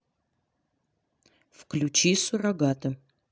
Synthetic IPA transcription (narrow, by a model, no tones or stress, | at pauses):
fklʲut͡ʃisuraɡat̪ʰɐ